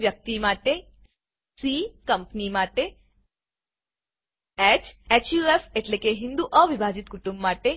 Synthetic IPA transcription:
ʋjɐk̚t̪imaːʈe | sikɐmpnimaːʈe | et͡ʃet͡ʃjuefeʈlekeɦind̪uʔəʋibʱaːd͡ʒit̪kuʈũmbmaːʈe

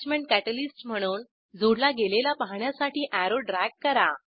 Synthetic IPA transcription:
t͡ɕmeɳʈ̚kæʈəlisʈm̤əɽ̃uːn | d͡zuɽlaɡelelapaɦɳjasaʈʰiːʔæɾoɖɾɛkkːəɾa

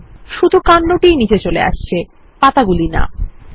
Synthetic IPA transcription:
ʃud̪ʱukanːoʈijnid͡ʑet͡ɕolḛa̰ʃt͡ɕʰe | pat̪aɡulina̰

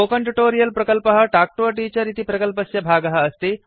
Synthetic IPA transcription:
okəɳʈuʈoɾijəlpɾɐkəlpəɦəʈak̚ʈoɐʈit͡ɕɐɾit̪ipɾɐkəlpəsjɐbʱaɡɐɦəːst̪i

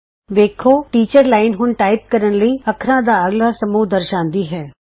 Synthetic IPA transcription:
ʋeːkʰoːʈiːt͡ʃəɾlaːɪnɦʊnʈaːɪp̚kəɾənləiːɐkʰɾãːd̪aːəɡlaːsəmuːɦd̪əɾʃãːnd̪iːɦɛː

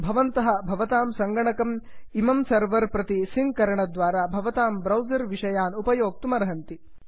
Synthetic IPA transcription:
bʱɐʋɐnt̪ɐɦɐ̆bʱɐʋɐt̪aːmsɐŋɡɐɳɐkɐmimɐmsɐɾʋɐɾpɾɐt̪isiŋɡkɐɾɐɳɐd̪ʋaːɾaːbʱɐʋɐt̪aːmbɾɐwd͡ʒɐɾʋiʂɐjaːnupɐjoːk̚t̪umɐɾɐɦɐnt̪i

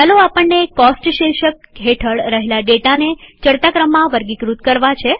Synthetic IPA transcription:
aloapəɳːekɔsʈʃeʃəkɦeʈʰəɭɾəɦelaɖeʈanet͡ʃəɽt̪akɾəmːãʋəɾɡikɾut̪̚kəɾʋat͡ʃʰe

